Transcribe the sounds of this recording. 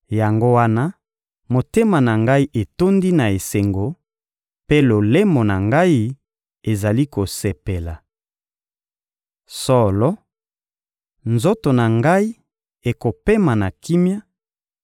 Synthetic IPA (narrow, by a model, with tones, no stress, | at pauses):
ja˨ŋɡo˦wa˦na˦ | mo˨te˦ma˨na˨ŋɡa˦i˦ʔe˨to˦ndi˦na˨e˨se˨ŋɡo˨ | pe˦lo˨le˦mo˨na˨ŋɡa˦i˦ | e˨za˨li˦ko˨se˨pe˨la˨ | sɔ˦˨lɔ˦ | nzo˦to˨na˨ŋɡa˦i˦ | e˨ko˨pe˦ma˨na˨ki˦mja˦